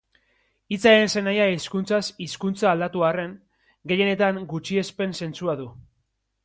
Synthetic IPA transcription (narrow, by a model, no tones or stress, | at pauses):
it͡saense̞najaiskunt͡sasiskunt͡saːld̪at̪uare̞ŋ | ɡe̞je̞ne̞t̪aŋɡut͡ʃie̞spe̞nse̞nt͡suaðu